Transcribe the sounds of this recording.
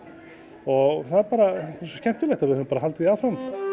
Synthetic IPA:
ɔɣθaðɛɾpaːɾaɛsɔ̥scɛm̥t̪ʏlɛht̪avɪðhʏnːmpaɾaɦalt̪ɪiawfɾam

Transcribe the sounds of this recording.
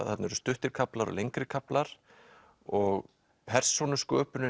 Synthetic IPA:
θat̪nɛɾʏst̪ʏht̪ɪɾkʰaplaɾɔ̰lejŋkɾɪkʰaplaɾ̥ | ɔɣ | pʰɛr̥sonʏskœːpʏnʏ

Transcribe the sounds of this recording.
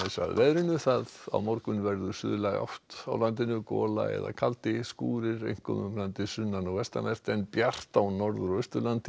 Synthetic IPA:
sa̰ðvɛðɾɪnʏθaða̰wmɔɾkʏnvɛɾðʏsʏ̰ðʏlɛɣɔ̰ft̪awlant̪̬ɪnʏkɔ̰ːla̰ɛ̰ða̰kʰalt̪ɪskuːɾɪɾḛjŋ̥kʏmʏmlant̪ɪsʏnːanɔvɛst̪amɛr̥t̪ɛnpjar̥t̪awnɔɾðʏɾœst̪ʏlant̪ɪ

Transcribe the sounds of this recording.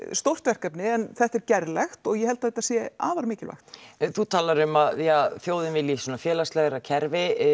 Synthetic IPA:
st̪owr̥t̪vɛr̥kɛpnɪɛnθɛht̪ɛɾcɛɾlɛxt̪ɔɣjɛhɛlt̪aθɛt̪asjɛaːvaɾmɪːcɪlva̰xt̪θut̪ʰaːlaɾʏmaðjafjoːwðɪnvɪljisɔːnafjɛːlast̪lɛɣɾacʰɛɾvɪ

